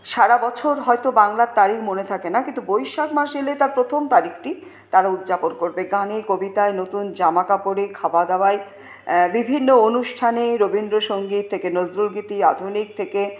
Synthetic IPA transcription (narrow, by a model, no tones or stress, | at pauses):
ʃaɾabɔt͡ɕʰoɾɦɔejt̪obaŋlaɾt̪aɾikʰmonet̪ʰakenakint̪ubojʃakmaʃelet̪aɾpɾot̪ʰomt̪aɾikʰʈi | t̪aɾaud̪d͡ʑaponkoɾbeɡanekobit̪aenot̪und͡ʑamakapoɾekʰabad̪abae | bibʱinːoonuʃʈʰaneɾobind̪ɾoʃoŋɡit̪ʰːekenozɾulɡit̪iad̪ʱunik̚t̪ʰeke